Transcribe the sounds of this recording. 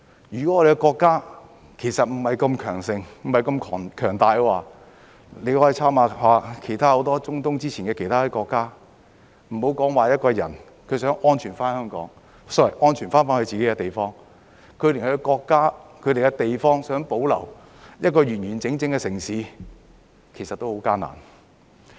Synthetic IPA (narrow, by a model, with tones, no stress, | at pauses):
jyː˨˩kɔ˨˥ɔː˧ɾe˨kɛ˧kɔː˧kːaː˥ | kʰe˨˩sɐ˨t̚m̩˨˩hɐ˨jkɐ˧mkʰœː˨˩ŋsɪ˧ŋm̩˨˩hɐ˨jkɐ˧mkʰɔː˨˩kʰœː˨˩ŋt̪aː˨jkɔ˧waː˨˧ | le˨˧jhɔː˨˥ji˨t͡sʰaː˥maː˨˧waː˨˧kʰe˨˩jt̪ʰaː˥ho˨˧˥wt̪ɔː˥t͡sʊ˥ŋt̪ʊ˥ŋt͡siː˥iː˨˩nkɛː˧kʰe˨˩jt̪ʰaː˥ɛ˧kɔː˧kːaː˥ | m̩˨˩ho˨˥wkɔː˨˥ŋwaː˨jɐ˥t̚kɔː˧jɐ˨˩n | kʰɵ˨˧ɥsœː˨˥ŋʔɔː˥nt͡ʃʰyː˨˩nfaː˥nhœː˥ŋkɔ̰ː˨˥ŋ | sɔ˥wɐ˨˩jʔɔː˥nt͡ʃʰyː˨˩nfaː˥nfaː˥nkɵ˧t͡siː˨ke˨˦˥kɛ˧t̪e˨jfɔː˥ŋ | kʰɵ˨˧˥lɪ˨˩ŋhkɔː˧kːaː˥kʰɵ˨˧ɥt̪e˨jkɛ˧t̪e˨jfɔː˥ŋsœː˨˥ŋpo˨˥wlɐ̰˨˩w | jɐ˥t̚kɔː˧ɥyː˨˩nɥyː˨˩nt͡sɪ˨˥ŋt͡sɪ˧ŋkɛ˧sɪ˨˩ŋsiː˨˧ | kʰe˨˩sɐ˨t̚t̪ːo˥who˨˧˥wkaː˥na̰ː˨˩n